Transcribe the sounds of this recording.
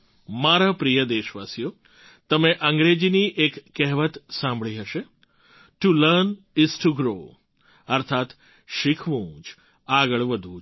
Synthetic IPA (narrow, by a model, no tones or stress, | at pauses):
maɾapɾijəd̪eʃʋasijo | t̪əmeʔəŋɡɾed͡ʒiniʔekːɛɦʋət̪sãmbʱɭiɦəʃe | ʈuləɾn | ɪsʈuɡɾo | əɾt̪ʰat̪ | ʃikʰʋũd͡ʒ | aɡəɭʋəd̪ʱũd͡ʒ